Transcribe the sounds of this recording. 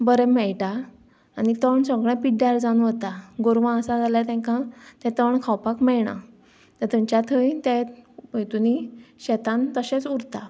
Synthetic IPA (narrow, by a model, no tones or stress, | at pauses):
bəɾɛmɛɭʈaː | nit̪əɳsə̃ɡɭɛ̃piʈɖaɾd͡zanʋət̪aɡoɾʋãəsad͡zʱaljat̪ɛ̃ŋkãt̪ɛ̃t̪əɳkʰawpakmɛɭɳa̰ | t̪əɾt̪ə̃ɲt͡ɕjat̪ʰəit̪ɛ̃et̪uniɕɛt̪ãnt̪əɕẽt͡suɾt̪a